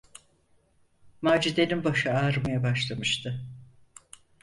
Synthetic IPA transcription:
maːd͡ʒid̪eninbaʃɯaɾmajabaʃlˠamɯʃt̪ʰɯ

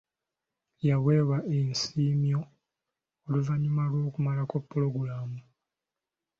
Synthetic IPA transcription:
jaβwe̞ːβaʔensiːmjo̞ | oluvaɲumalwo̞ːkumalako̞pːulo̞ɡuɾaːmu

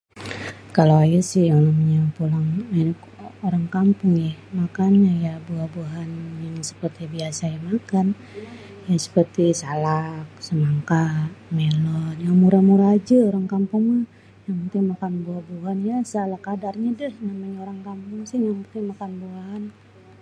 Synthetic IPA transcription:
kalawajasɪhjaŋnamaɲapulaŋank | oɾaŋkampʊŋjahmakanɲajabuahbuɦanjaŋsə̥pərt̪ibiasajamakan | jasə̥pərt̪isalak̚səmaŋkaʔmelɔnjaŋmuɾamuɾaːd͡ʒaoɾaŋkampʊŋa | jaŋput̪ɪŋmakanbuahbuɦanjasəalakadarɲadəhnamaɲaoɾaŋkampʊŋsɪhjaŋput̪ɪŋmakanbuan

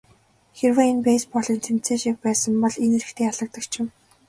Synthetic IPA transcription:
xerwăenpeːspɔɮĭnt͡sʰem̥t͡seːʃik̚pæːsə̆mpɔɮeneɾɘ̆kt̪ʰeːaɮə̆k̚t̪ə̆kt͡ɕʰɪ̆m

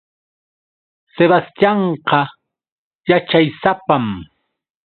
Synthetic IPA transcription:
seβast̪jɑɴqɑ | jat͡ʃajsapam

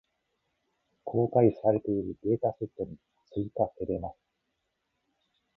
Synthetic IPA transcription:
kʰo̞ːkaisaɾe̞t̪e̞iɾɯ̟ɡe̞ːt̪aset̪ːo̞ɲ̟i | t͡sɨit̪ake̞ɾe̞masɨ̥

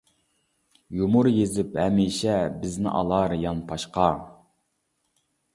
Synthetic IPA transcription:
jumʊɾjezɪphɛmiʃɛbɪznɪ̰ʔɑ̰lˠɑɾjɑnpʰɑʃqʰɑ

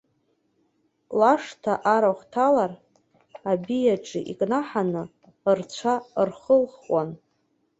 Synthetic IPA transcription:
laʂtʰaʔaɾaχtʰalar | abijaʈ͡ʂʼḭʔikʼnaħanɨ | rt͡ɕʷʰarχəlχwan

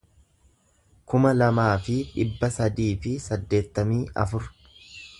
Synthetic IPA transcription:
kʊmɐlɐmaːfɪᶑɪbːɐsɐd̪iːfɪsɐd̪ːe̞ːt̪ːɐmiːʔɐ̰fʊɾ

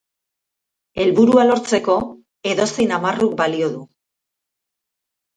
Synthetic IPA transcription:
e̞lβuɾualo̞ɾt͡se̞ko̞ | e̞ðo̞se̞jnamaruk̚balio̞ðu

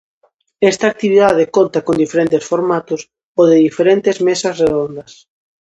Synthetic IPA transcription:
est̪ak̚t̪iβiðað̞ekont̪akond̪ifeɾent̪esfoɾmat̪ʊs | oðɪðifeɾent̪ezmesɐsreðond̪ɐs

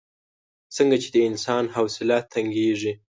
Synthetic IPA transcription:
t͡səŋɡat͡ʃed̪əɪnsɑnɦawsɪlɑt̪ʰːaŋɡeʐi

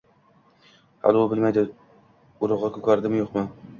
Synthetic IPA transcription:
ha̰lɪʊbɪlmajd̪ɪ | ʊɾʊʁɑkʰɵkʲʰaɾd̪ɪmjoqmɪ

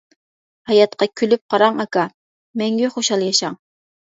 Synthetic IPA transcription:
hɑjɑt̪qɑkʲʰylyp̚qʰɑɾɑŋɑkɑ | mɛŋɡʲɛχoʃɑlˠjɑʃɑŋ

